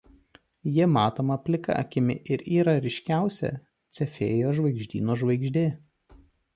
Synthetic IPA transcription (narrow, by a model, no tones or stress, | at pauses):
jɪmɑːt̪oːmɐpʲlʲɪkɐ̰ɐ̰kʲɪmʲɪ̰ʔɪɾiːɾɐɾʲɪʃʲkʲæˑʊsʲɛ̰ | t̪sʲɛfʲḛːjoːʒʋɐɪɡʒʲd̪ʲḭːnoːʒʋɐɪɡʒʲd̪ʲeː